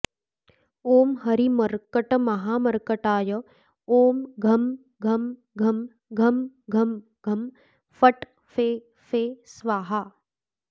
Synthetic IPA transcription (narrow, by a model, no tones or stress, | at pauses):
oːmɦɐɾimɐɾkəʈɐmɐɦaːmɐɾkɐʈaːjɐ | oːmɡʱɐm | ɡʱɐm | ɡʱɐm | ɡʱɐmɡʱɐm | ɡʱɐm | fɐʈ | feː | feːsʋaːɦa